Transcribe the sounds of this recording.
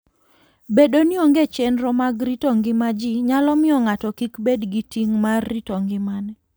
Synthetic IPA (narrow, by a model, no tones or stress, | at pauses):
beɗoniɔŋɡet͡ʃɛnɾɔmaɡɾitɔŋɡɪmad͡ʒiɲalɔmɪɔŋatɔkikbedɡitiŋmarːitoŋɡɪmanɛ